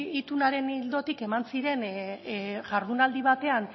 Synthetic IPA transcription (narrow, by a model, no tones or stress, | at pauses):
it̪unaɾe̞nild̪o̞t̪ike̞mansiɾe̞n | ʝaɾðunald̪iβat̪e̞an